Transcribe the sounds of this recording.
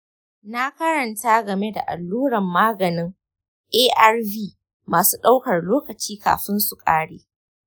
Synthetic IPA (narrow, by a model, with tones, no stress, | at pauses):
na˦kɐ˦ɾɐ˨nta˦ɡɐ˨me˦da̰˨ʔa̰˨lːuː˦ɽɐ˨mːaː˦ɡɐ˨nɪ˦ŋ | ʔeː˦ʔa˦rviː˦ | maː˨suː˦ɗa˦wkɐ˨rloː˦kɐ˨t͡ʃiː˦ka̰ː˨ɸɪ˦nsu˨kʼa̰ː˦ɽeː˦